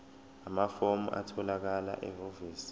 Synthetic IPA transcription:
amafomuʔa̰tʰɔlak̬ala̰ʔɛɦoviːs

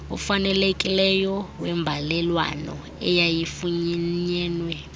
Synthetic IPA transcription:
ṵfanɛlekʼilɛjɔwɛmbʱalɛlwa̰nɔ̰ | ɛjajifuɲɛɲɛːnwɛ

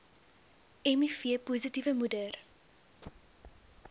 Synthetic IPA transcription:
ɛmifiəpuːzitivəmudər

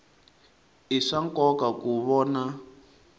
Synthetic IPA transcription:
iʂaŋkɔkakuβɔːna

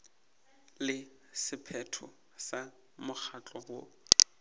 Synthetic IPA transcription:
lɪ | sɪpʰɛtʰɔ | sa | mʊk͡xʰat͡ɬʼɔɣo

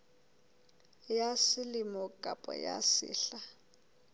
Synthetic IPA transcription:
jasilimɔkʼapʼɔ̰ja̰sḭːɬa

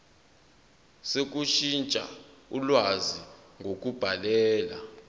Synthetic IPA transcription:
sek̬ʼuʃint͡ʃʼa̰ulwaziŋʱok̬ʼub̥ʱalɛːla̰

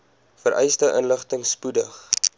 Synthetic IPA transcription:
fəɾʔɛjstəʔənləχtəŋspudəχ

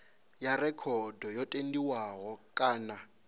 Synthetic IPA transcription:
jarɛkʰɔdɔjɔtʼendiwaɦɔkʼaːna

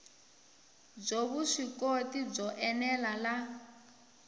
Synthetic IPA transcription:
b͡ʐoβuʂikotib͡ʐɔʔɛnɛlala

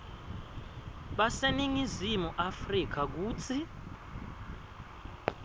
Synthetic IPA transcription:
ɓaseniŋizimuʔafrik̬ʰak̬uːt͡sʰi

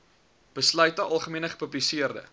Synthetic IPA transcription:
b̥əslœɥtəʔɐlˠχəmiənəχə̥pəblisiərdə̰

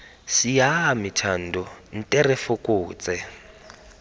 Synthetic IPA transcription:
sijaamitʰan̩dɔn̩tʼɛrefʊkʼuːt͡sʼɛ

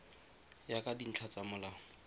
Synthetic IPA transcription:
jakʼadin̩t͡ɬʰat͡samʊlaːŋɔ

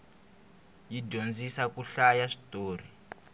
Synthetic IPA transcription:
jiɟond͡zisakuɬajaʂi̥toːri

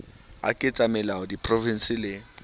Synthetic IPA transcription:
a̰kʼɪt͡sʼamɛlaʊdipʼrɔvin̩sɪlɪ

